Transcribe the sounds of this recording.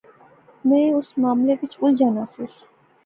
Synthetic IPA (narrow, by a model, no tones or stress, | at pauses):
mɛ̃ʊsmaːmlekɪt͡ʃʰʊld͡ʒaːnaːsɪs